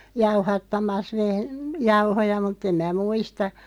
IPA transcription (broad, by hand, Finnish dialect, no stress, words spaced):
jɑuhɑtːɑmɑs ʋeh jɑuhojɑ mutˑ em mæː muistɑ